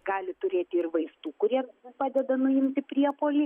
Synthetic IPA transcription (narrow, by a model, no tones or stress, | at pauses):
ɡɑːlʲɪt̪ʊɾʲeːt̪ʲɪɪrʋɐɪst̪uːkʊɾʲiɛpɑːd̪ʲɛd̪ɐnʊɪmʲt̪ʲɪpʲɾʲiɛpoːlʲiː